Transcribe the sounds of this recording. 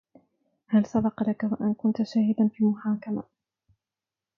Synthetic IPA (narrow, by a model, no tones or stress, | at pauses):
halsɑbɑqlakawaʔankʊnt̪aʃaːhɪd̪anfiːmʊħaːkama̰